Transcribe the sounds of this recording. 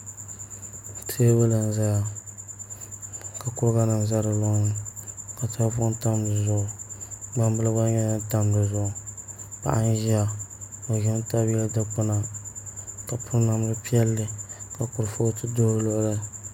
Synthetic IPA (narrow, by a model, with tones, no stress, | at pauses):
tʰe˦ba˦lɨ˨n˨za˦ja˨ | ka˨kʊ˦ɾɣa˦nɨ˨n˨za˦ɾɨ˨lo˦ŋ˦ka˨tʰɨ˦fʊ˦ʔta˦m˦dɨ˨zʊ˦ʔʊ˨ɡ͡ba˦mbɨ˦lba˦ɲɛ˦na˦ta˦mdɨ˨zʊ˦ʔʊ˨pa̰˨ʔa̰˦n˦ʒi˦a˨o˨ʒɪ˦n˦ta˦ba˦ldɨ˦k͡pʊ˦na˨ | ka˨pʰʊ˦ɾna˨m˦ɾɨ˦pi˦ɛ˦lːɨ˦ka˨kʊ˨ɾfo˦tɨ˦do˦lʊ˦ʔʊ˦ɾɨ˦